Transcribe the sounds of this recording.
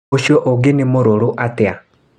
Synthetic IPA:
oʃjɔʔoɡenemoɾoɾoʔatea

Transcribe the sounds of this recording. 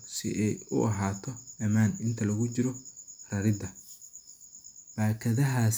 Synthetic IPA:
sɪ̰ʔɛjʊ̰ʔɐɦaːt̪ʰɔɐmaːnɪnt̪ʰɐlɐɣʊt͡ʃɪɾɔrɐɾɪd̪ɐ | baːkʰɐðɐɦaːs

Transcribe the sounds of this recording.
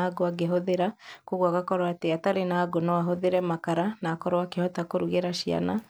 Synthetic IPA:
aɡoaɡeɦoðeɾakoɣwaɣakɔɾwateataɾenaːɡonawaɦoðeɾɛmakaɾanaːkɔɾoakehɔtakoɾuɣeɾaʃia̰na̰

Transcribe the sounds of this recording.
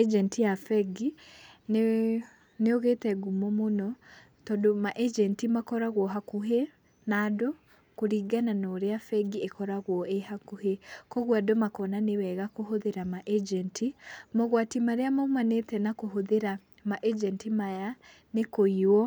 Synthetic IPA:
ɛd͡ʒɛntijafɛɡin | neoɣetɛɡumɔmonɔ | tɔdomaʔɛd͡ʒɛntimakɔɾaɣwɔɦakuɦe | naːdɔ | koɾiːɡananɔɾeafɛɡiekɔɾaɣwɔʔehakuhekɔɣwadɔmakɔnanewɛɣakoɦoðeɾamaʔɛd͡ʒɛntʰimɔɣwatimaɾeamaumanetɛnakoɦoðeɾa | maʔɛd͡ʒɛntimaja | nekoiwɔ

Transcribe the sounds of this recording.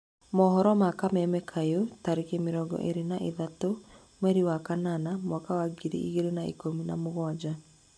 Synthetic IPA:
mɔːɦɔɾɔmakamɛmɛkʰajotaɾekemeɾɔɡɔ̰ʔeɾenaʔeðato | mwɛɾiwakananamwakawaɡiɾḛʔiɣeɾenaḛkomina̰moɣwad͡ʑa

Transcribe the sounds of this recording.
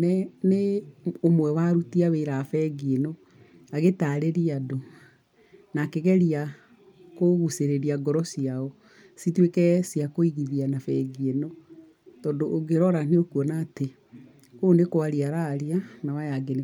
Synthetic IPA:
nɛneomwɛwaɾutiaweːɾafɛɡienɔ | aɣetaɾeɾiado | nakeɣɛɾia | koɣuseɾeɾiaɡɔɾɔsiaɔ | sitwekɛsiakoiɣiðianafɛɡienɔ | tɔːndoʔːɡeɾɔɾan̥eokuɔnaːte | onekowaɾiaɾaːɾianawajaɡene

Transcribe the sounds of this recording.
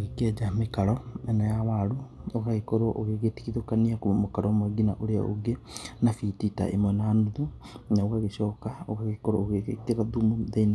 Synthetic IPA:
oɣekɛd͡ʒamekaɾɔɛnajawaɾuoɣaɣekoɾoʔoɣeɣeti̥kiðokaniakomokaɾɔmwɛɡinaʔoɾea̰o̰ɡe | nafitita̰ʔḛmwɛnanuðunaoɣaɣeɕɔːkaoɣaɣekoɾooɣeekeɾaðumoðaina

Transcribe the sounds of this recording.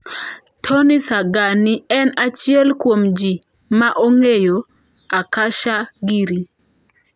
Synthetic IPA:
tʰonisaɡaniɛnat͡ʃɪɛlkwomd͡ʒi | maʔoŋejo | akaʃaɡiɾi

